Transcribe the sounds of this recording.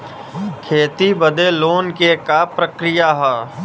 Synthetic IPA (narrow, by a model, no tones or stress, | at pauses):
kʰeːt̪ibəd̪eloːnkekapɾəkɾɪjaɦɛː